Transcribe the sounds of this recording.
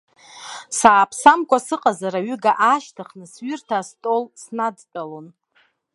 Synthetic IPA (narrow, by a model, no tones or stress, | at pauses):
saːpʰsamkʷʼasɨqʼazaɾaɥʏɡaʔaʃtʰaχnɨsɥʏrtʰastʼo̞lsnadtʼalon